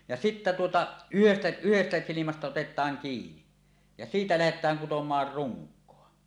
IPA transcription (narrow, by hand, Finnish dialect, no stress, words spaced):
jɑ sitːæ tuotɑ yhestæ̥ yhestæ silimæstæ otetˑɑːŋ kiːni jɑ siːtæ læhetˑæːŋ kutomˑɑːr ruŋkˑoɑ